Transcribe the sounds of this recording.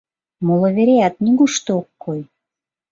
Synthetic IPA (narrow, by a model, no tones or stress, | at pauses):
molə̆βeɾeæt̪̚nʲiɣuʃt̪ookːoj